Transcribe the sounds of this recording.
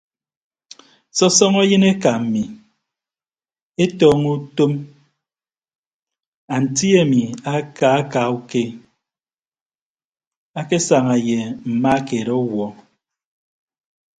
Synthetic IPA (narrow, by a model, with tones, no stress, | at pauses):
sɔ˦sɔ˦ŋa˦jɨ˦ne˦ka˨m̩˨mi˨ | e˦tɔː˦ŋu˦to˦m | a˨n̩˨ti˦e˨mi˨a˦ka˨a˦ka˨u˦ke˦ | a˦ke˦sa˨ŋa˨je˨m̩˨ma˦ke˨ɾɔ˦wɔ˦